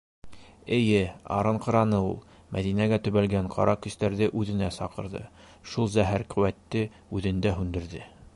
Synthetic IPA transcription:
ɘ̆jɘɑ̰ɾɤɴqɤ̆ɾɑnɤulˠ | mæ̰ðinæɡæt̪ɵ̆βælɡæɴqʰɑ̰ɾʔɑkɵ̆st̪æɾðɘʔʉðɘ̆næsɑqɤ̆ɾðɤ̰ | ʃulˠzæɦæɾqɵ̆wæt̪ːɘ | ʉðɘ̆nd̪æɦʉnd̪ɘ̆ɾðɘ

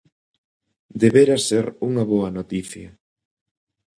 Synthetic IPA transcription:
d̪eβeɾɐseɾuŋɐβoɐnot̪iθjɐ

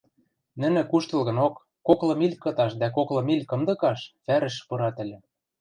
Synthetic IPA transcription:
nɘ̆nɘ̆kuʃt̪ɤ̆lɣɤ̆nokːoklɤ̆milʲkɤ̆t̪ɑʃd̪ækoklɤ̆milʲkɤ̆md̪ɤ̆kɑʃfæɾɘ̆ʃpɤ̆ɾɑt̪ɘ̆lʲɘ̆

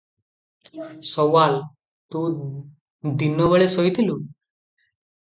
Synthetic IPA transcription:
sɔʋal | t̪u | d̪inːɔʋəɭesɔjt̪ʰilu

